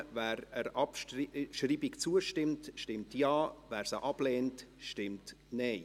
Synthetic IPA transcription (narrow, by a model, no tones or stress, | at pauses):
væːɾəɾɑpʃriːbikt͡suəʃtɪmtʃtɪmtjɑːvæːɾsəʔɑb̥lɛːntʃtɪmt | nɛɪ